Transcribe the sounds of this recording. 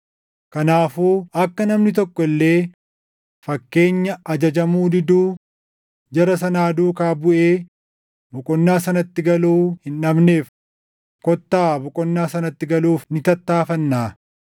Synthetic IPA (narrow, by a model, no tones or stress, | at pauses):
kɐnaːfuːɐkːɐnɐmnɪt̪ɔkːɔɪlːe̞ː | fɐkːe̞ːɲːɐɐd͡ʒɐd͡ʒɐmuːd̪ɪd̪uː | d͡ʒɐɾɐsɐnaːd̪uːkaːbʊʔeː | bʊkʼɔnːaːsɐnɐt̪ːɪɡɐluːhɪnᶑɐbne̞ːf | kɔt̪ːaːbʊkʼɔnːaːsɐnɐt̪ːɪɡɐluːfnɪt̪ɐt̪ːaːfɐnːaː